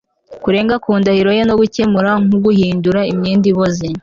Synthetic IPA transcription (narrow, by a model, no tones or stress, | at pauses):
kuɾe̞ːŋɡakuːndahiɾo̞jenoɡuce̞muɾaŋ̥uɡuhiːnduɾaimɲiːndiβozi